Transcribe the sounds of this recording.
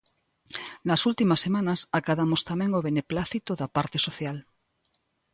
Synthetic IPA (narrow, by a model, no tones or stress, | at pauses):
nasult̪imasːemãnasakaðamost̪amẽŋoβeneplaθit̪oðapaɾt̪esoθjal